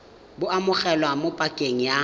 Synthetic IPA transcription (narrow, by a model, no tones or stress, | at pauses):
bʊamʊχɛlwamopʼakʼeŋ̩ja